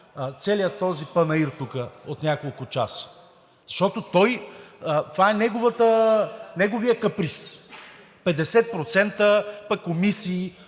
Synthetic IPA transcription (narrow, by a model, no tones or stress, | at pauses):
t̪sɛlijət̪ːɔzipənɐiɾt̪ukəot̪nʲakolˠkʊt͡ʃa̰sə̥ | zɐʃt̪ɔt̪ot̪ɔjət̪ovaɛnɛɡovət̪ənɛɡovijəkɐpɾis | pɛd̪ɛsɛt̪̚pɾot̪sɛnt̪əpɐkːomisiː